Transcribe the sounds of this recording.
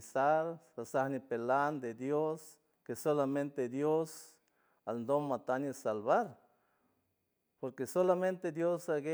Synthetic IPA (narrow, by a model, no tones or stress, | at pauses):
saɾasahnipeland̪ed̪jos | kesolament̪ed̪jos | alnd̪omːat̪aɲesalβaɾ | poɾkesolament̪ed̪josaɡe